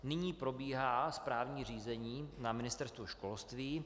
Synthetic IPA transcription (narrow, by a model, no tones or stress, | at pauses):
nɪɲiːpɾo̞biːɦaːspɾaːvɲiːr̝iːzɛɲiːnamɪnɪst̪ɛɾst̪vuʃkolst̪viː